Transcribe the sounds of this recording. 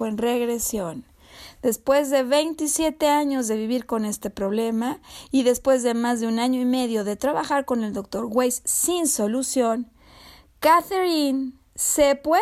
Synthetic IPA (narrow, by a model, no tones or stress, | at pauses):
enre̞ɣɾe̞sjo̞n | d̪̥e̞spwe̞zðe̞βe̞jnt̪isje̞t̪e̞aɲo̞zðe̞βiβiɾko̞ne̞st̪e̞pɾo̞β̞le̞maiðe̞spwe̞zðe̞mazðeunaɲo̞ime̞ðjo̞ðe̞t̪ɾaβaxaɾko̞ne̞ld̪o̞k̚t̪o̞ɾɣwejsːinso̞lusjo̞ŋ | kaθeɾin | se̞pwe